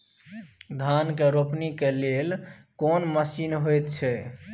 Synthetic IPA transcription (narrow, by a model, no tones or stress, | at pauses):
d̪ʱankeɾopnikelelkonməsinɦojt̪t͡ʃʰɛ